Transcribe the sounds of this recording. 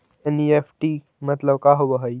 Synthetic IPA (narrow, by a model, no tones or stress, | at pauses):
eniefʈi | mət̪ləbkaɦoʋəɦəj